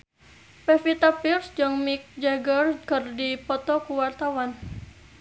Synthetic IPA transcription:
pɛfit̪apirsd͡ʒɔŋmik̚d͡ʒaɡərkərdipɔt̪ɔkuwart̪awan

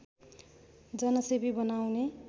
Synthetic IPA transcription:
d͡zʌnʌsebibʌnawne

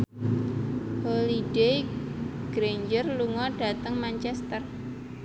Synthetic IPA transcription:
holiɖejɡ̥ɾeɲd͡ʒərluŋɔɖ̥a̤t̪əŋmant͡ʃɛst̪ər

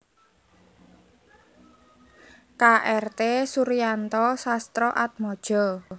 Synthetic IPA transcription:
kaʔɛrt̪esuɾijant̪ɔsast̪ɾɔʔat̪̚mɔd̥ʒ̥ɔ

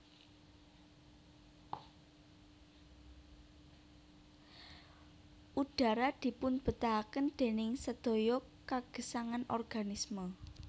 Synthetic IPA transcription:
ʔuɖ̥a̤ɾad̪̥i̤pʊnb̥ə̤t̪akənd̪̥e̤nɪŋsəd̪̥o̤jɔ | kaɡ̥ə̤saŋanʔɔrɡ̥anismə

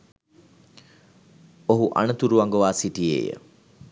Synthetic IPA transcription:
oɦuʔa̰nət̪uɾuʋaŋɡoʋaːsiʈiḛːjə̰

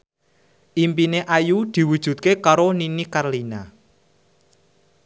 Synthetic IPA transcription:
ʔimpineʔajud̪̥i̤wud̥ʒ̥ṳt̪̚kekaɾoninikarlina

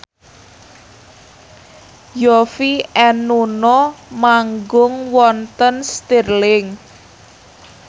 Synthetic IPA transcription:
jɔfiɛnunɔmaŋɡʊŋwɔnt̪ənst̪irlɪŋ

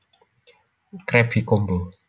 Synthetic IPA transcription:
kɾɛbikombo

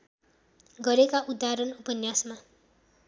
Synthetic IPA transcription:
ɡʌɾekaʔud̪ːaɾʌnupʌnjasma

